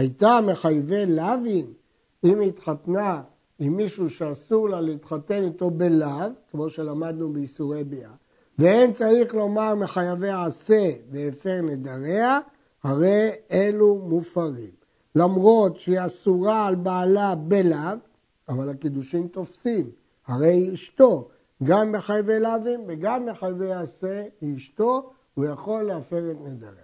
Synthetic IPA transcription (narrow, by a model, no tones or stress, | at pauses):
ajt̪ame̞χajve̞lavin | imit̪χat̪na | imːiʃuʃeasuʁlaleit̪χat̪e̞nit̪o̞be̞lavkemo̞ʃe̞lamad̪nubeisuʁebia | veent͡saiχlo̞maʁmeχajaveaase̞veːfe̞ʁne̞d̪aʁe̞a | haʁe̞je̞lumufaʁim | lamʁo̞t̪ʃeiasuʁaːlbaːlabelav | avalakid̪uʃimt̪o̞fsim | haʁe̞jiʃt̪o̞ | ɡamːeχajavelaavimveɡamːeχajaveaːse̞iːʃt̪o̞ | hujaχo̞lːeafe̞ʁet̪ned̪aʁea